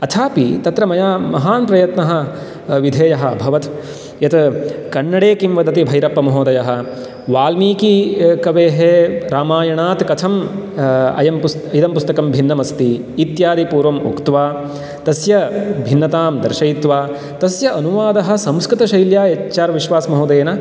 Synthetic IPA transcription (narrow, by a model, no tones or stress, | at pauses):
ɐt̪ʰaːpit̪ɐt̪ɾɐmɐjaːmɐɦaːnpɾɐjɐt̪nɐɦɐ̆ | ʋid̪ʱeːjɐɦɐɐbʱɐʋɐt̪ | jɐt̪kɐɳːɐɽeːkimʋɐd̪ɐt̪ibʱɐjɾɐpːɐmɐɦoːd̪ɐjɐɦɐ̆ | ʋaːlmiːkikɐʋeːɦeɾaːmaːjɐɳaːt̪kɐt̪ʰɐm | ɐ̰jɐmpus | id̪ɐmpust̪ɐkɐmbʱinːɐmɐst̪iː | t̪jaːd̪ipuːɾʋɐmṵkt̪ʋaː | t̪ɐsjɐbʱinːɐt̪aːmd̪ɐɾʃɐjit̪ʋaː | t̪ɐsjɐʔɐnuʋaːd̪ɐɦɐ̆sɐ̃mskɾɪt̪ɐʃɐjljaːɐt͡ʃaːɾʋiʃʋaːsɐmɐɦoːd̪ɐjɐnɐ